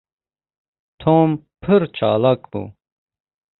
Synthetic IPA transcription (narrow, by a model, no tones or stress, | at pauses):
t̪ʰoːmpʰɨɾt͡ʃʰa̰ːlakbṵ